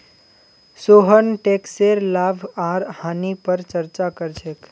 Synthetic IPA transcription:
soɦənʈekseɾlabʱaɾhanipəɾt͡ʃəɾt͡ʃakəɾt͡ʃʰek

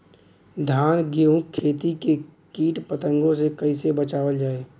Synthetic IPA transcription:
d̪ʱaːnɡeːũkʰːeːt̪ikekiːʈpət̪ə̃ŋɡõsekəɪsebət͡ʃaːʋəld͡ʒaːeː

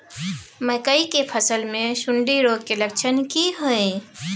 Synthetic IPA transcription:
məkəikepʰəsəlmesuɳɖiɾoɡkelək̚t͡ʃʰənkiɦoj

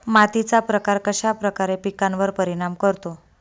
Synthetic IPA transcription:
mat̪it͡sapɾəkaɾkəɕapɾəkaɾepikanʋəɾpəɾiɽ̃amkəɾt̪o

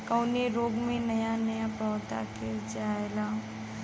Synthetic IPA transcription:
kəʊneɾoːɡmẽnɐjanɐjapɔːd̪a̰ked͡ʒaːelaː

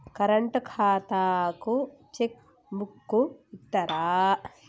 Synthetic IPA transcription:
kɐɾɐɳʈɐkʰaːt̪aːku | t͡ʃek | mukːuit̪ːɐɾaː

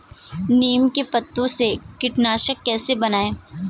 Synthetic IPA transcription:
niːmkepɐt̪ːõsekɪʈnaːʃəkːɛːsebɐnaːẽː

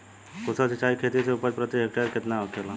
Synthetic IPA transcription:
kosəsit͡ʃaikʰet̪iseupəɾpɾət̪ekɦek̚ʈəɾket̪naokʰelã

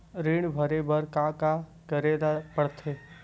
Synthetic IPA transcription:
ɾiːɳbʱəɾebəɾkakakəɾeːd̪apəɽt̪ʰeː

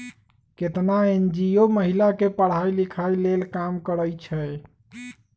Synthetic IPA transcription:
ket̪naend͡ʒioməɦilakepəɽ̤ajlikʰailelkamkəɾəjt͡ʃʰɛ

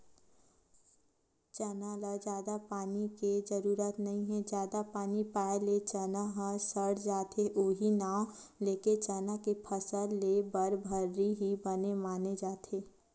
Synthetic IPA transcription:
t͡ʃɛnalad͡ʒjaːd̪apaːniked͡ʒəɾuːɾət̪nɐɦĩɦɛ̃d͡ʒjaːd̪apaːnipaːelet͡ʃənaɦãsəɽd͡ʒaːt̪ʰeʔoːɦinaːw | leːket͡ʃɛːnakepʰəsəlːebəɾbʱəɾːiɦibənemaːned͡ʒaːt̪ʰeː

